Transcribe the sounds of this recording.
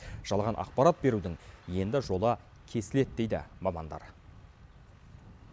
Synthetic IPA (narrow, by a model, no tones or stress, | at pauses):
ʒ̥ɑlˠʁɑnʔɑ̰q̚pɑɾɑt̪̚be̞ɾud̪ɪŋje̞nd̪ɪʒo̞lˠə | kʲʰe̞sɪle̞t̪d̪e̞jd̪ɪ̰mɑmɑnd̪ɑ̰ɾ